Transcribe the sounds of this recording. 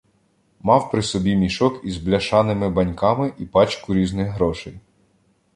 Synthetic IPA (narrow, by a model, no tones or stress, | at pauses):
mɑwpɾɪsɔbʲimʲiʃɔkizblʲɐʃɑnɪmɪbɐnʲkɑmɪʔipɑt͡ʃkʊɾʲiznɪxɦɾɔʃɛj